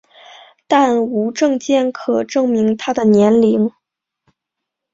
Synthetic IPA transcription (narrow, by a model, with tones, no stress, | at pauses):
t̪a˥˩nu˧˥ʈ͡ʂɤ˥˧ŋt͡ɕjɛ˥˩nkʰɤ˨˩ʈ͡ʂɤ˥˩ŋmi˧˥ŋt̪ʰa˥d̪ə˨njɛ˧˥nli˧˥ŋ